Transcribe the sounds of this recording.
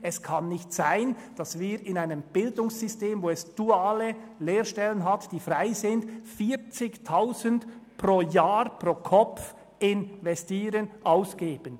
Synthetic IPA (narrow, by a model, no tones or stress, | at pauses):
ɛskʰɑnːɪçtsaɪnd̥ɑsviːɾɪnaɪnəmb̥ɪldʊŋsːʏsteːmvoːɛsd̥uaːləleːʁʃtɛlənɦatd̥iːfraɪzɪndfiːt͡sɪçtʰaʊzəndproːjaːʁpʁoːkʰɔp͡f | ɪnvɛstiːɾənʔaʊsɡ̥eːb̥ən